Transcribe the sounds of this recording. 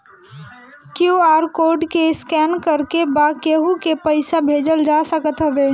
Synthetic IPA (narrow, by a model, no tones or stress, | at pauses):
kjuaːɾkoːɾɖkeɪskɛːnkəɾkebakeɦũkepəɪsabʱeːd͡ʒəld͡ʒasəkət̪ɦəʋeː